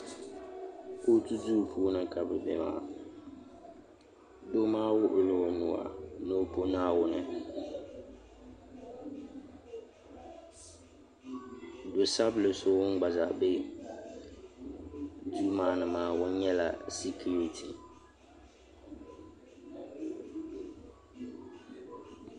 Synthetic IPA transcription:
ko˦tu˦duː˦˨pʰu˦o˦nɨ˨ŋ˨ka˨bɨ˨bḛ˨ma̰ː˨˦˨ | do˦maː˦wʊ˦ʔʊ˨lʊ˦˨nʊ˨wa̰˨no˦po˦naː˦wʊ˦nɨ˨ | dʊ˨sa˦blɨ˨so˦wŋ̩˦ɡ͡ba˨za˨be˦ | d͡ʒu˦maː˨˦nɨ˨maː˦wʊ˦ɲ˦ɲɛ˦la̰˨sɪ˦kʰu˦ɾi˨tʰi˨

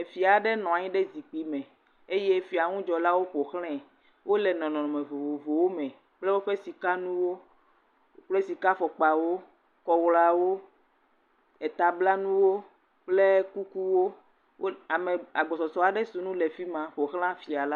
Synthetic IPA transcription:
e˨fi˨a˨ɖɛ˦nɔ̃˨a˨ɲĩ˦ɖɛ˦zi˨k͡pi˦mɛ̃˨ | e˦je˦fi˨a˨ŋũ˦d͡ʒɔ˨la˦wo˦ɸo˨xlɛ̃˦ | wo˦lɛ˨nɔ̃˨nɔ̃˨nɔ̃˨mẽ˨vo˨vo˨vo˨wo˦mɛ̃˨ | k͡plɛ˦wo˦ɸe˦si˨ka˦nũ˦wo˦ | k͡ple˦si˨ka˦fɔ˨k͡pa˨wo˦ | kɔ˨wla˨wo˦ | e˨t̪a˨bla˦nũ˦wo˦ | k͡ple˦ku˦ku˦wo˦ | wo˦a˨mɛ̃˨a˨ɡ͡bɔ˨sɔ˨sɔ˨a˨ɖɛ˦su˨nũ˦lɛ˨fi˦mã˨ɸo˨xl̃ã˦fi˨a˨la˦

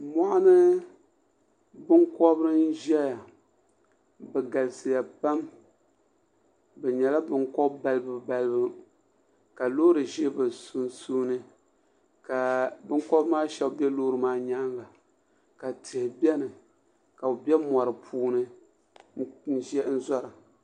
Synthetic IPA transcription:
mɔ˦ʔa˦nɨ˦ | bɨ˦ŋkɔ˦bɾɨ˦n̩˦ʒɛ˦ja˨ | bɛ˨ɡa˨lɨ˨sɨ˨ja˨ba˦m | bɛ˨ɲɛ˨la˦bɨ˦ŋkɔ˦bba˦lɨ˦bɨ˨˦ba˦lɨ˦bɨ˦ | ka˨lo˦ɾɨ˨ʒɛ˦bɨ˨su˨nsu˦nɨ˦ | ka˨bɨ˦ŋkɔ˦bmaː˦ʃɛ˦˨bɛ˦loː˦ɾɨ˨maː˦ɲa˦nla˨ | ka˨tʰɨ˨hɪ˨bɛ˦nɨ˨ | ka˨ʊ˨bɛ˦mɔ˨ɾɨ˨pʰuː˦nɨ˦ | n̩˦ʒɛ˦n̩˦zɔ˦ɾɨ˨

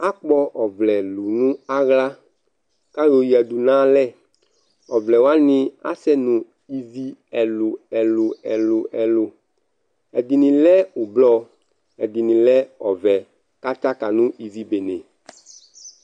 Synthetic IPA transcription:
a˦k͡pɔ˦ʔɔ˨vlɛ˨lu˨nũ˦a˦ɣla˦ | ka˦lo˨ji˨ɛ˨d̪u˨nã˦lɛ˦ | ɔ˨vlɛ˨wa˦nĩ˦a̰˦sɛ˦nũ˨ | i˨zi˦ɛ˨lu˨ɛ˨lʊ˨ɛ˨lʊ˨ʔɛ˨lʊ˨ | ɛ˨d̪i˨nĩ˨lɛ˦u˨blɔ˦ | ɛ˨d̪i˨nĩ˨lɛ˦ɔ˨vɛ˨ | ka˦t͡ʃa˦ka˨nũ˦ʔi˨zi˨be˨nẽ˨

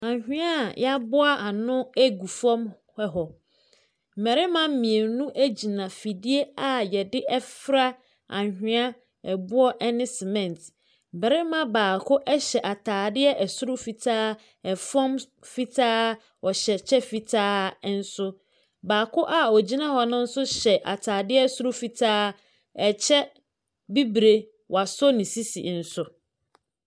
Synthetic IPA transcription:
ã˨ɲhᶣɪ̃˦a˦ja˦bʊ˦a˦ʔa˨nʊ̃˦æ˦ɡu˨fɔ̃˦m | hɛ˦ɦɔ˨ | m̩˨mɛ˨ɾɪ˦mã˦m̩˦mĩ˨e˨nũ˦ʔæ˦d͡ʑi˨nã˨fi˨di˦e˦a˨jɛ˨dɪ˦ʔɛ˦fɾa˦ | ã̰˨ɲhᶣɪ̃˦a˦ | ɛ˨bʊ˦ɔ˦ʔɛ˦nɪ̃˦sɪ˨mɛ̃˦˨nt | bɛ˨ɾɪ˦mã˦baː˨kʰʊ˦ʔɛ˦ɕɛ˨ʔa˨tʰaː˨dɪ˦ɛ˦ʔɛ˨sʊ˦ɾʊ˦fi˨tʰaː˦ | ɛ˨fɔ̃˦m | fi˦tʰaː˦ | ɔ˨ɕɛ˨t͡ɕʰɛ˦fi˨tʰaː˦n̩˦sʊ˦ | baː˨kʰʊ˦ʔa˨ɔ˨d͡ʑi˦nã˦hɔ˨nʊ̃˦n̩˦sʊ˦ɕɛ˨ʔa̰˨tʰaː˨dɪ˦ɛ˦sʊ˦ɾʊ˦fi˨tʰaː˦ | ɛ˨t͡ɕʰɛ˦ | bi˦bɾe˨ | wa˨sɔ˦nɪ̃˨si˦sḭ˨n̩˨sʊ˨

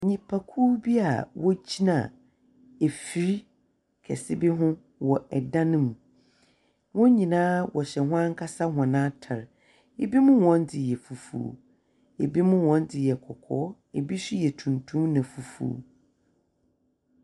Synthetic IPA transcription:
ɲĩ˨pʰa˨kʰu˦bi˦a˨wɔ˦d͡ʑʰi˦nã̰˨ | e˨fi˨ɾi˦ | kʰɛ̰˨sɪ˦bɪ˦ɦʊ̃˦ | wɔ˨ɛ˨dã˦nʊ̃˦mũ˨ | wʊ̃˦ɲĩ˨nãː˦wɔ˨ɕɛ˨hʊ̃˦ã˦ŋ̩˦kʰa˦sa˦hʊ̃˨nãː˦tʰa˨ɾ | e˨bi˦mʊ̃˦wɔ̃˦ndɪ˨jɛ˨fu˨fṵ˨ | e˨bi˦mʊ̃˦wɔ̃˦ndɪ˨jɛ˨kʰɔ˨kʰɔ̰ː˦ | e˨bi˦ɕi˦jɛ˨tʰũ˨ntʰũ˦mnã˨fu˨fṵː˨˦

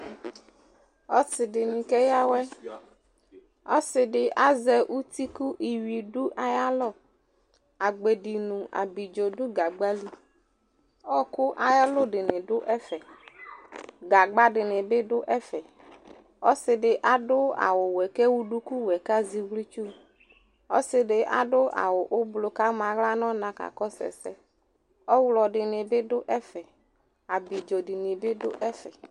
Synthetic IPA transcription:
ɔ˦sɪ˨ɖɪ˨nĩ˨kɛ˦ja˦wɛ˦ | ɔ˦sɪ˨ɖɪ˨ʔa˦zɛ˦ʔu˦t̪i˦ku˦ʔi˨wi˨ɖʊ˦ʔa˨ja˦lɔ˦˨ | a˨ɡ͡be˨ɖi˨nũ˨ʔa̰˨bi˨d͡ʒo˨ɖʊ˦ɡa˨ɡ͡ba˦li˦ | ɔ˦kʊ˦ʔa˨ja˦lʊ˦ɖɪ˨nɪ̃˨ɖʊ˦ʔɛ˦fɛ˨ | ɡa˨ɡ͡ba˦dɪ˨nɪ˨bɪ˦dʊ˦ʔɛ˦fɛ˨ | ɔ˦sɪ˨dɪ˨ʔa˨dʊ˦a̰˨wʊ˨wɛ˨kɛ˦wu˦ɖu˦ku˦wɛ˨ka˦zi˨wli˦t͡ʃu˦ | ɔ˦sɪ˨dɪ˨ʔa̰˨dʊ˦a̰˨wʊ˨ʔʊ˦blʊ˨ka˦mã˨ɣla˦nɔ˦nã˨ka̰˨kɔ˦sɛ̰˨sɛ˦ | ɔ˦wlɔ˨ɖɪ˨nɪ˨bɪ˦dʊ˦ʔɛ˦fɛ˨ | a˨bi˨d͡ʒo˨dɪ˨nɪ˨bɪ˦dʊ̰˦ʔɛ˦fɛ˨

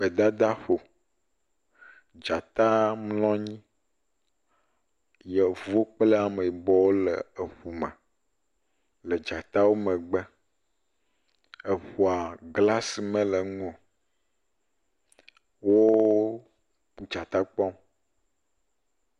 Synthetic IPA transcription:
be˨d̪a˦d̪a˦ɸo˨ | d͡ʒa˨t̪a˦mlɔ̃˦ɲĩ˦ | je˨vo˦k͡plə˦a˨me˨i˨bɔ˦wo˦lə˨e˨ɸu˨mɛ˨ | lə˨d͡ʒa˨t̪a˦wo˦mẽ˨ɡ͡bɛ˦ | ə˨ɸu˨a˨ɡla˦si˨mɛ̃˦lə˨ŋ˦õ˨ | wo˦ | k͡pu˨d͡ʒa˨t̪a˦k͡pɔ̃˦m

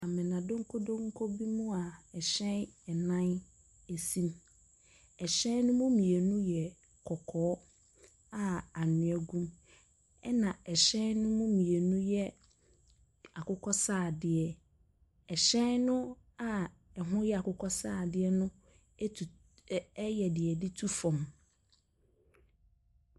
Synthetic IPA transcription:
a˨mɪ̃˨nã˨dõ˦ŋ̩˦kʰo˦dõ˦ŋ̩˦kʰo˦bi˦mũ˦a˨ɛ˨ɕɛ̃˦nɛ˨nã˦n | e˨sĩ˦m | ɛ˨ɕɛ̃˦nʊ̃˦mũ˦mĩ˨e˨nũ˦jɛ˨ | kʰɔ˨kʰɔ˨˦ | a˦a˨nɪ̃˨ɛ˨ɡũ˦m | ɛ˦nã˨ɛ˨ɕɛ̃˦nnʊ̃˦mũ˦mĩ˨e˨nũ˦jɛ˦ | a˨kʰʊ˦kʰɔ˦saː˦˨dɪ˨ɛ˨ | ɛ˨ɕɛ̃˦nʊ̃˦ | a˦ | ɛ˨ɦʊ̃˦jɛ˦a˨kʰʊ˦kʰɔ˦saː˦˨dɪ˦ɛ˦nʊ̃˦˨˦ | jɛ˨dɪ˨ɛ˨dɪ˦tʰu˦fɔ̃˨m

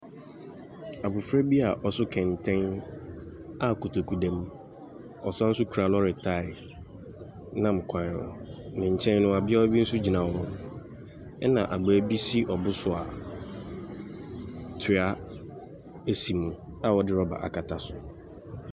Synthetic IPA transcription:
a˨bʊ˨fɾɛ˦bi˦a˨ʔɔ˨sʊ˦kʰɛ̃˨ntʰɛ̃˦n | a˦ku˨tʰo˨kʰu˨dɛ̃˦m | ɔ˨sã˦n̩˦sʊ˦kʰu˨a˨lɔ˦ɾɪ˨tʰa˦˨ɪ˨ | nã˦˨m̩˨kʷʰã˨n˨ɔ̰˨nɪ̃˨ɲ̩˨t͡ɕʰɛ̃˦n˦ʊ̃˦a˨bɪ˦a˦ɔ˦bi˦n̩˦sʊ˦d͡ʑi˨nã˨wɔ̃˦m˦ | ɛ˦nã˨ʔa˨ɡ͡bæ˨˦bi˦si˦ʔɔ˨bʊ˦sʊ˨a̰˨ | tʰɪ˨a˦ | e˦si˨mũ˨ | a˦˨wɔ˨dɪ˦ɾɔ˦ba̰˨ʔa̰˨kʰa˨tʰa˨sʊ˨

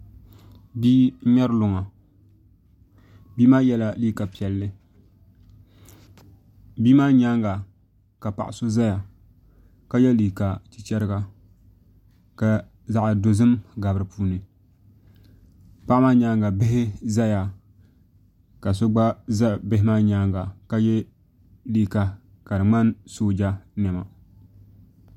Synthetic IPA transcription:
biː˦ɲa˦ɾɨ˦lʊ˨ŋa˨ | biː˦maː˦jɛ˦la˦liː˦ka˨pi˨ɛ˨lːɨ˦ | biː˦maː˦ɲa˦ŋɡa˨ | ka˨pa̰˨ʔɪ˨so˦za˦ja˨ | ka˦jɛ˦liː˨ka˨t͡ʃi̥˨t͡ʃɛ˦ɾɨ˦ɡa˦ | ka˨ | za˦ʔa˨do˨zɨ˦mɡa˨bɨ˦ɾɨ˨puː˦nɨ˨ | pa˦ʔmaː˦ɲaː˦ŋɡa˨bɪ˦ɦɪ˦za˦ja˨ | ka˨s̬o˦ɡ͡ba˦za˦bɪ˦ɦɪ˦ma˦ɲaː˦ŋɡa˨ka˦jɛ˦ | liː˦ka˨ | ka˨dɨ˨ŋ͡ma˦nsoː˦d͡ʒa˦nɛ˨ma˨

